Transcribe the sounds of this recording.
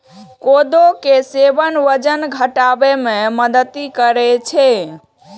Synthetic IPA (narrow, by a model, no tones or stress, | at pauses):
kod̪okesebənʋəd͡ʒənɡʱəʈabememəd̪ət̪ikəɾɛt͡ʃʰɛ